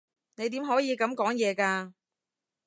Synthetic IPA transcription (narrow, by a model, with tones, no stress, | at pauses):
ne˨˧jt̪̬iː˨˥mɦɔː˨˥jiː˨˧kɐ˨˥mkɔː˨˥ŋjɛː˨˧kaː˧